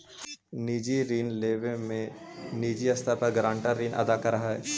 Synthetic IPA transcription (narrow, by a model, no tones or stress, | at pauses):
niːd͡ʒiɾiːnleːʋẽmẽniːd͡ʒiɐst̪ʰapɐɾɡɾãːɳʈaɾɾiːnʔɐ̰d̪akɐɾaɦaɦɛ̰ː